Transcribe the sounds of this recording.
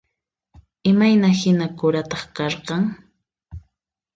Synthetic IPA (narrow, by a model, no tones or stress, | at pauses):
ɪmajnahɪnakʊɾat̪ɑχkɑɾqɑŋ